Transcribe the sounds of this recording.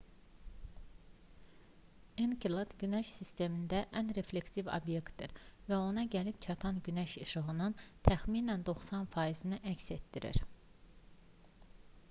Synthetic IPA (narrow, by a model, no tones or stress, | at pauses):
inkilˠad̪̥ɟynæʃsist̪e̞mind̪æʔænɾe̞fle̞ksivo̰bje̞kt̪d̪iɾvæo̞nɑɟælipt͡ʃʰɑt̪ʰɑnɟynæʃɯʃɯɣɯnɯnt̪ʰæxminænd̪o̞xsɑnfɑizinɯʔæcse̞t̪d̪iɾḭɾ